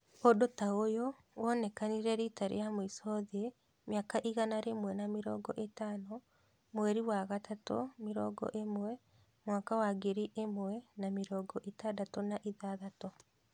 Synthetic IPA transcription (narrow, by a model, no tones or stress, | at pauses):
odotaojɔ | wɔnɛkaniɾɛɾiːtaɾḛjamoisɔðe | mjakaʔiɣanaɾemwɛnamiɾɔ̰ːɡɔ̰ʔetaːno | mwɛɾiwaɣatato̰miɾɔːɡɔ̰ʔemwɛ | mwaːkawaɡeɾiʔemwɛnamiɾɔːɡɔʔetadatɔnaʔiðaðatɔ